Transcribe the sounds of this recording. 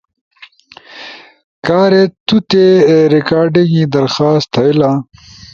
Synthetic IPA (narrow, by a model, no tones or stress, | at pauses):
kaːɾet̪ut̪eɾikaːɾɖiŋid̪ɐɾxaːst̪ʰɐila